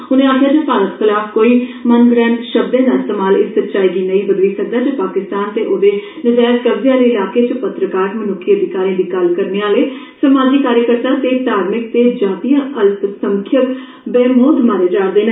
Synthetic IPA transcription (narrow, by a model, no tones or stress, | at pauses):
ɦʊnẽːaːkʰɪjaːd͡ʒəpaːɾət̪xɪlaːfkoːiːmənɡɾɛːnʃəb̚d̪ẽːd̪aːɪst̪eːmaːlɪsːət̪t͡ʃaːiːɡiːnəĩːbəd̪liːsək̚d̪aːd͡ʒəpaːkɪst̪aːnt̪eːʔoːd̪eː | nəd͡ʒaːt̪kəbzjãːd̪eːɪlaːkeːt͡ʃəpət̪ɾəkaːɾmənʊkʰːiəd̪ʱɪkaːɾjãːd̪iːkəlkəɾneːaːleː | səmaːd͡ʒikaːɾjəkəɾt̪ãːt̪eːt̪aːɾmɪk̚t̪eːd͡ʒaːt̪ijãːʔəlpsəŋkʰjək | beːmoːd̪maːɾeːd͡ʒaːɾd̪eːn